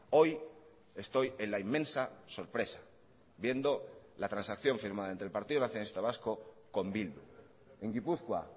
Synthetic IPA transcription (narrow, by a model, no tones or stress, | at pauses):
o̞j | e̞st̪o̞jelaimːẽ̞nsaso̞ɾpɾe̞sḁ | bje̞nd̪o̞lat̪ɾansakθjo̞ɱfiɾmaðaent̪ɾelpaɾt̪iðonaθjonaist̪aβ̞asko | ko̞mbild̪ṵ | e̞ŋɡipuθkwa̰